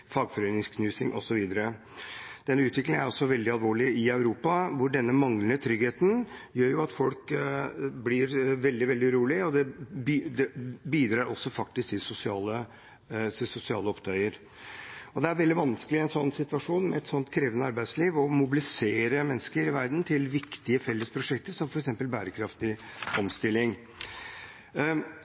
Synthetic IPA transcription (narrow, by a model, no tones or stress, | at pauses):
fɑːɡfɔɾœʏnɪŋskʰnʉːsɪŋʔɔ̰sɔʋiːd̪əɾə | d̪̥ɛnːəʉːt̪ʋɪklɪŋæɾɔsːɔʋɛld̪ɪɑlʋoːɭɪɪœʉɾuːpɑʋʊɖɛnːəmɑŋlənət̪ʰɾʏɡheːt̪njøːɾjʊɑt̪fɔlk | blɪɾʋɛld̪ɪʋɛld̪ɪɾuːlɪɔd̪ɛbd̪ɛbiːd̪ɾɑːɾɔsːɔfɑk̚t̪ɪskt̪ɪsʊsɪɑːlə | sɪsʊsɪɑːləɔpt̪ʰœʏəɾ | ɔd̪ɛæɾʋɛld̪ɪʋɑnskəlɪɛnsɔnːsɪt̪ʋɑʂuːnmɛɛt̪sɔnt̪kʰɾeːʋənəɑɾbæɪsliːʋɔmʊbɪlɪseːɾəmɛnːəskəɾɪʋæɾd̪n̩t̪ʰɪlʋɪkt̪ɪəfɛlːəspʰɾʊʂɛkt̪əɾʂɔmfɔɾɛksɛmpəlbæːɾəkʰɾɑft̪ɪɔmst̪ɪlːɪŋ